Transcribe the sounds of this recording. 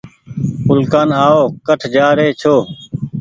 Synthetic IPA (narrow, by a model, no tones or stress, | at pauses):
ʊlkaːnaːoːkəʈʰd͡ʒaːɾeːt͡ʃʰoː